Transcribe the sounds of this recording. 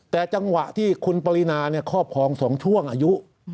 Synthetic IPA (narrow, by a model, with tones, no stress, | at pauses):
t̪ɛː˨˩t͡ɕa˧ŋwa˨˩ʔt̪ʰiː˥˩kʰu˧npa˧li˦˥naː˧ni˥˩ɐkʰɔː˥˩p̚kʰɔː˧ŋsɔː˩˦ŋt͡ɕʰu˥˩əŋʔaː˧ju˦˥ʔ